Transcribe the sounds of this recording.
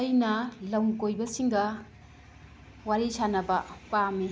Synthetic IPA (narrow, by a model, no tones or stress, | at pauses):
ɐjnɐlɐwŋkojbɐsiŋɡɐ | waɾisanɐbɐpami